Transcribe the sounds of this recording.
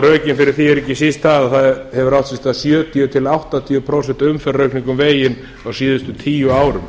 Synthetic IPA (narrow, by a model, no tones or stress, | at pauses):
ɾœːcɪnfɪɾɪɾ̥θiɛɾɛhcːɪsist̪ːaðaθaðɛhɛvʏɾawht̪sɛst̪asjœːt̪ʰiʏt̪ʰɪlawht̪at̪ʰiʏpʰɾowsɛn̥t̪ʏmfɛrːœɥkniŋkʏmveːjɪn | awsiːðʏst̪ʏt̪ʰiːjʏaːwɾʏm